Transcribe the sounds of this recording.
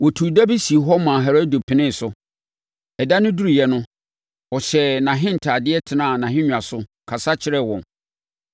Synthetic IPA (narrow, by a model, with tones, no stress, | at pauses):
wɔ˨tʰu˨dæ˦bi˦si˨ɦɔ˦mã˨ɦɛ˨ɾo˦do˨pʰɪ̃˨nɪ̃˦˨sʊ˨ | ɛ˨da˦nʊ̃˦du˦ɾi˨jɛ˦nʊ̃˦ | ɔ˨ɕɛ˨nã˨ɦɪ̃˦n̩˨tʰa˨dɪ˦ɛ˦tʰɪ˨nã˦˨nã˨ɦɪ̃˦ɲᶣ˨ã˨sʊ˦ | kʰa˨sa˦t͡ɕʰɪ˨ɾɛ˦˨wɔ̃˨n